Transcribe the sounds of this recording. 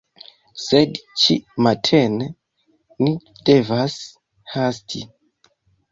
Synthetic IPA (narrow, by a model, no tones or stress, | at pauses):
sedt͡ʃḭmatʰene | ni | d̥e̞vas | hastʰi